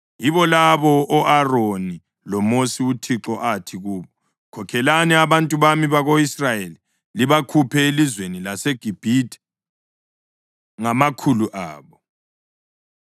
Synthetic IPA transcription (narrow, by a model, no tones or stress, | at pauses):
jiβɔlaβɔʔːʔaroni | lɔmosiutʰiǁɔʔatʰiɣuːβɔ | kʰɔkʰɛlaniaβantʼuβamiβaɣoisrajeli | liβakʰupʰɛelizwenilaseɡ̥ʱib̥ʱitʼɛ̥ | ŋamakʰuluʔaːβɔ